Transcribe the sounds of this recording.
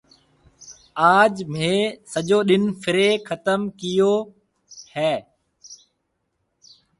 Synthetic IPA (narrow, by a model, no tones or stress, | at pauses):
aːd͡ʒmẽːsəʄoːɗɪnfʰɪɾeːkʰət̪əmkɪjoː | hɛː